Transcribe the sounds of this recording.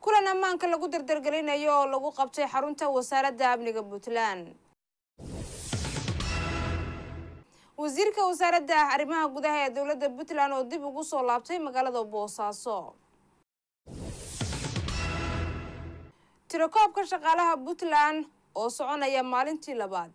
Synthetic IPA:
kʰʊlɐnɐmaːŋkʰɐlɐɣʊd̪ɐrd̪ɐrɡɐlɛjnɐjɔːlɐɣʊqɑb̚t̪ʰɛjħɑɾʊnt̪ʰɐwɐsaːɾɐd̪ɐːbnɪɣɐbʊt̪ʰlan | wɑs̬iːrkʰɐwɐs̬aːɾɐd̪ɐɐrɪmɐɦɐɡʊðɐɦɐɛːd̪ɔwlɐd̪ːɐbʊt̪lanɔːd̪ɪbʊɣʊsɔːlaːb̚t̪ʰɛjmɐɣaːlɐðɐbɔːsaːsɔ | t̪ʰɪɾɔkʰɔːb̚kʰɐʃɑqɑːlɐɦɐbʊt̪lan | ɔːsɔʕɔnɐjɐmaːlɪnt̪ʰiːlɐβaːd̪̥̚

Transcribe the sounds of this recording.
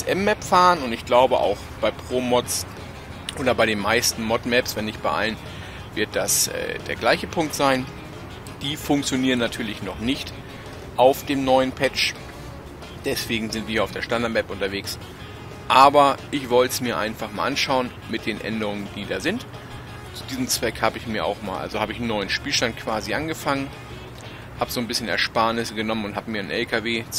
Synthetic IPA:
sʔɛmːɛpfaːʁənʊntɪçɡ̥laʊbəʔa̰ʊxb̥aɪpʁ̥oːmɔtt͡s | ʔoːɾɐbaɪɾeːnmaɪstn̩mɔtmɛpsv̥ɛnːɪçt̚b̥aɪʔa̰lən | vɪɐt̚d̥asʔɛ̰ːd̥eːɐɡlaɪçəpʰʊŋktz̥aɪn | d̥iːfʊŋkt͡sjoniːʁənːatʰyːɐlɪçnɔχnɪçt | ʔaʊfd̥eːmnɔʏənpʰɛt͡ʃ | d̥ɛsv̥eːɡŋ̩zɪntv̥iːɐhiːɐaʊfd̥eːɐʃtandaɐtʔɛpʔʊntɐveːks | ʔaːbɐʔɪçv̥ɔltə̥smiːɐʔa̰ɪnfaχmaːlʔanʃaʊən | mɪt̚d̥eːnʔɛ̰ndəʁʊŋəndiːda̰ːzɪnt | t͡su̥diːzəm̩t͡sv̥ɛkhaːbəɪçmiːɐʔa̰ʊxma̰ːlʔa̰lzohaːbəɪçn̩nɔʏənʃpiːlʃtant̚kʰv̥aːziʔanɡəfaŋən | haːbəzoːnbɪsçənɛ̰ɐʃpaːnɪsəɡənɔmənʊnthaːbəmiːɐnʔɛ̰lkʰaveːt͡s

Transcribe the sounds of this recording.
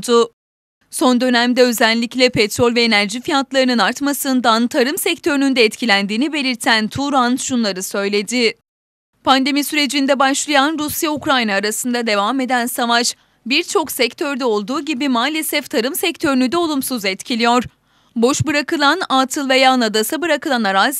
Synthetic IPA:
d̪u | so̞nd̪ø̞næmd̪ɛø̞zælʲːiclʲɛpʰɛt̪ɾo̞lʲvɛːnæɾʒifijat̪lˠaɾɯnɯnaɾt̪masɯnd̪ant̪ʰaɾɯmsɛct̪ʰø̞ɾynynd̪ɛːt̪cʰilʲænd̪iːnibe̞lʲiɾt̪ʰænt̪ʰuɾanʃunlˠaɾɯsø̞jlʲe̞d̪i | pʰand̪e̞misyɾe̞d͡ʒind̪ɛbaʃlˠajanɾusjaukɾajnaːɾasɯnd̪ad̪e̞vame̞d̪ænsavat͡ʃ | biɾt͡ʃʰo̞ksɛct̪ʰøɾd̪ɛo̞lˠd̪uːɟibimaːlʲe̞sɛft̪ʰaɾɯmsɛct̪ʰø̞ɾynyd̪ɛo̞lˠumsuzɛt̪cʰilʲijo̞ɾ | bo̞ʃbɯɾakɯlˠanaːt̪ʰɯlˠvejanad̪asabɯɾakɯlˠanaɾaz

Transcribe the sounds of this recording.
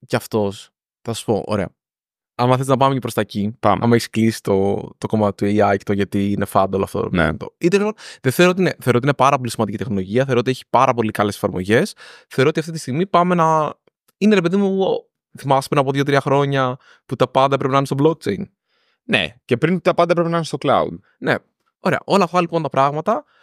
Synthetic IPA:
ceɐft̪o̞s | θɐssu̥po̞̰ʔo̰ɾe̞̰ɐ̰ | ɐmɐθelznɐpɐmecepɾo̞st̪ɐcipɐ̰mɐ̰mɐeçi̥sklisi̥t̪o̞t̪o̞ko̞mɐt̪et̪ueiɐjct̪oʝɐt̪iːnefɐnd̪olo̰ɐ̰ft̪o̰nḛt̪o̰it̪elipo̞nðeθeɾot̪ineθe̞ɾot̪inepɐɾɐpo̞lismɐnd̪icit̪exno̞lo̞ʝiɐθe̞ɾot̪içi̥pɐɾɐpo̞likɐle̞se̥fɐɾmo̞̰ʝe̞sθeoot̪iɐft̪it̪ist̪iɣmipɐme̞nɐ | ineɾe̞pe̞ðimu | θimɐspɾinɐpoðʝo̞t̪ɾiɐxɾo̞ɲɐ | put̪ɐpɐnd̪ɐpɾepenɐinest̪obloɡ̚t͡ʃe̞jn | nḛce̞pɾint̪ɐpɐnd̪ɐepɾepenɐnst̪oklɐ̰ṵd̪ | ne̞̰ | o̞ɾe̞̰ɐ̰ʔo̞lɐːft̪ɐlipo̞nt̪ɐpɾɐɣmɐt̪ɐ

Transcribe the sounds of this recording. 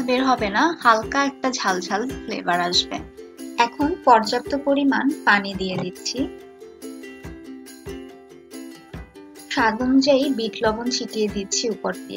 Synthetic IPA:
lbeɾɦɔbenahalkaɛk̚ʈad͡ʑʱald͡ʑʱallḛbaɾaʃbḛɛkʰonpɔɾd͡ʑap̚t̪opoɾimanpanid̪ijed̪it̪ːt͡ɕʰi | ʃad̪ʱomd͡ʑajbiʈlɔbont͡ɕʰiʈijed̪it̪ːt͡ɕʰiupoɾt̪iḛ

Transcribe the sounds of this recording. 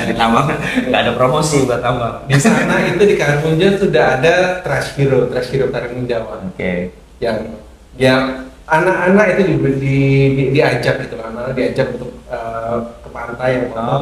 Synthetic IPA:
aɾit̪amaŋɡaadapɾomosibat̪amadisanait̪udikaɾmund͡ʒasudaɦadat̪ɾasfiɾot̪ɾasfiɾot̪aɾiŋiɲd͡ʒawaoke | jaŋ | jaanakanakit̪udibdiidiad͡ʒam̚ɡit̪ukamaladiad͡ʒapunt̪ʊk̚əːəpant̪ajaŋmaa

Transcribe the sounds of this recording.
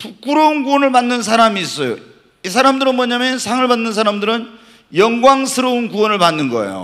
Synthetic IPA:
puk͈uɾounkuwʌnɯɭpanːɯns̬ʰaɾamiːs͈ʌjo̰ | isʰaɾamdɯɾɯnmwʌɲamjʌnsʰaŋɯɭbanːɯns̬ʰaɾamdɯɾɯn | jʌŋɡwaŋsʰɯɾʌunkuwʌnɯɭpanːɯnɡʌ̰ḛjo̰

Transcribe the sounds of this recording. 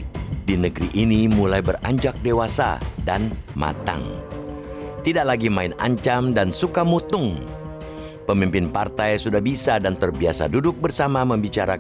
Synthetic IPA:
dinəɡɾiʔinimulajbəra̰ɲd͡ʒak̚dewasa̰danma̰t̪a̰ŋ | t̪idaʔlaɡimaɪna̰ɲt͡ʃamdansukamut̪ʊŋ | pəmimpɪnpart̪ajsudahbisadant̪ərbiasa̰dudʊk̚bərsamaməmbit͡ʃaɾa

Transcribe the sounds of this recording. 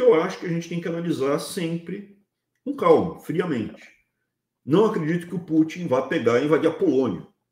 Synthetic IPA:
ewaʃʊ̥kɪɐʒẽnt͡ʃɪt̪ẽj̃kanalizaɾsẽpɾɪ | ũkawmʊfɾiɐmẽnt͡ʃɪ̥ | nɐ̃w̃akɾed͡ʒit̪ʊ̥kɪʊput͡ʃĩvapeɡaɾĩvad͡ʒiɾɐpolõniɐ̰

